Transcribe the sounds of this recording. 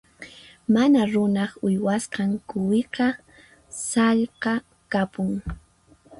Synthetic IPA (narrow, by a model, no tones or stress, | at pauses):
manaɾʊnɑχʊjwasqɑŋkʊwɪqɑ | sɑʎqɑ | kapʊŋ